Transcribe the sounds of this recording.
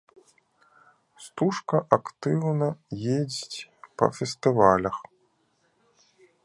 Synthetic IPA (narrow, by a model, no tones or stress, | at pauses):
st̪uʂkɐʔakt̪ɨwnɐjed͡zʲit͡sʲpɐ̰fʲɛst̪ɨvalʲɐx